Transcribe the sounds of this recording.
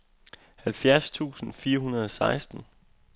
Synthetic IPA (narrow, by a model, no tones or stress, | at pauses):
hælfjæɐst͡sʰṵːsn̩fiːɐɦunɐðˠɒsɑ̈ɪsd̥n̩